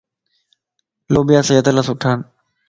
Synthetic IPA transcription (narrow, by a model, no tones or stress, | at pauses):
loːbɪjaːsəjət̪əlaːsʊʈʰaːn